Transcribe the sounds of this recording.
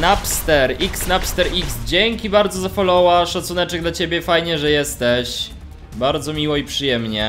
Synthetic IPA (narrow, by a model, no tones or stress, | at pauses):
napst̪ɛɾiksnapst̪ɛɾiksd͡ʑeŋkʲibaɾd̪zɔzafɔlɔwaʂat̪sunɛt͡ʂɛɡd̪lat͡ɕebʲɛfajɲɛʐɛjɛst̪ɛɕ | baɾd̪zɔmʲiwɔipʂɨjɛmɲɛ